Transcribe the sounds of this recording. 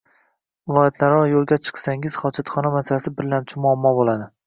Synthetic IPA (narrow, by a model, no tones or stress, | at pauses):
vɪlˠɒjat̪ʰlaɾɒjolˠɡʲat͡ʃʰɨ̥qsaŋɪz̥χɒd͡ʒat̪χɒnamasalasɪbɪɾlamt͡ʃʰɪmʊamːɒbolˠad̪ɪ